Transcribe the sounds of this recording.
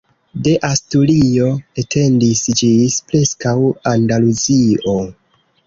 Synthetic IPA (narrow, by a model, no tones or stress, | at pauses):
de̞ʔastulio̞etʰe̞ndisd͡ʒispɾe̞skawandaluzio̞